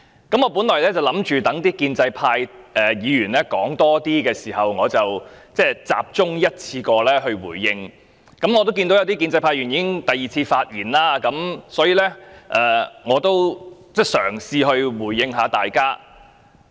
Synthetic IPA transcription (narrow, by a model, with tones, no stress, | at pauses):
kɐ˨˥mŋɔː˨˧puː˨˥nlɔː˨˩lɛː˥t͡sɐ˨˩wlɐ˨˥mt͡ʃyː˨t̪ɐ˨˥ŋt̪iː˥kiː˧nt͡sɐ˧jpʰaː˧jʔɛː˨˩jiː˨˧jyː˨˩nlɛː˥kɔː˨˥ŋt̪ɔː˥t̪iː˥kɛː˧siː˨˩hɐ˨wŋɔː˨˧t͡sɐ˨wt͡sɛː˥˩t͡sa̰ː˧p̚t͡sʊ˥ŋjɐ˥t̚t͡sʰiː˧kɔː˧lɛː˥ɦɵ˧ɥwṵː˨˩jːɪ˧ŋ | kɐ˨˥mŋɔ˨˧t̪o˥wkiː˧nt̪o˧˥wjɐ˨˧t̪i˥ki˧nt͡sɐ˧jpʰaː˧jyː˨˩njiː˨˥kɪ˥ŋt̪ɐ˨jiː˨˩t͡sʰiː˧faː˧t̚jiː˨˩nlaː˧˥kɐ˨˥msɔː˨˥jiː˨˧lɛː˥ʔɛ˨ŋɔː˨˧t̪o˥wt͡sɛː˥˩sœ̰ː˨˩ŋsiː˧ɦɵ˧ɥwuː˨˩jːɪ˧ŋɦaː˨˥t̪aː˨jkaː˥